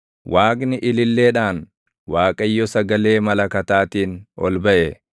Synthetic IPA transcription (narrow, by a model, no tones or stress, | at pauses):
wʔaːknɪʔɪlɪlːe̞ːᶑaːn | waːkʼɐjːɔsɐɡɐle̞ːmɐlɐkɐt̪aːt̪iːnɔ̰lbɐʔɛ